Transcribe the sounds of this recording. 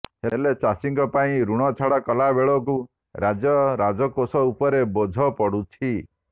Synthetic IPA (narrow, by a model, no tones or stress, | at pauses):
helet͡ʃasiŋkɔpaĩɾuɽ̃ɔt͡ʃʰaɽakɔlabeɭɔku | ɾad͡ʒɔɾad͡ʒɔkosɔupɔɾebɔd͡ʒʱɔpɔɽut͡ʃʰi